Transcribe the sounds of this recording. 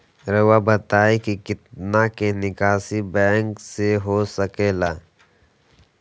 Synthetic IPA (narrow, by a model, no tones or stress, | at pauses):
ɾəwabət̪aːikikɪt̪nakenɪkaːsibɛ̃ːŋkseɦosəkeːlaː